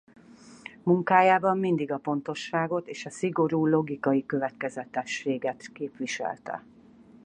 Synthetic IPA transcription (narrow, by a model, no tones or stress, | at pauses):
muŋkaːjaːbɒmːind̪iɡɒpo̞n̪t̪o̞ʃːaːɡo̞t̪eːʃɒsiɡo̞ɾuːlo̞ɡikɒjikø̞vɛt̪kɛzɛt̪ɛʃːeːɡɛt̪keːpʋiʃɛ̰lt̪ɛ̰